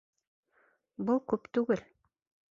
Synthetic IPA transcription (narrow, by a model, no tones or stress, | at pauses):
bɤlˠkʉpt̪ʉɡɘl